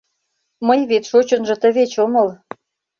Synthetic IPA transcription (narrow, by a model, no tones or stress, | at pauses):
məjβet̪ʃot͡ɕonʒɤ̆t̪ə̆βet͡ɕoməl